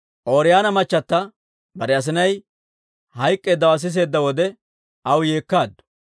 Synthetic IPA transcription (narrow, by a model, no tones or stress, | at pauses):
ʔoːɾɪjaːnɐmɐt͡ʃːɐt̪ːɐ | bɐɾɛɐs̬ɪnɐj | hɐjkʼːe̞ːd̪ːɐwɐs̬ɪs̬e̞ːd̪ːɐwɔd̪ɛ | ɐwje̞ːkːaːd̪ːʊ̥